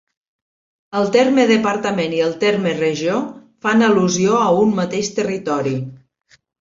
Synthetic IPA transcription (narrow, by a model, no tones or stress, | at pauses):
əlˠt̪ermeðəpəɾt̪əmeniəlˠt̪eɾmərəʒiofanəluzioəumːət̪eʃt̪ərit̪ɔɾi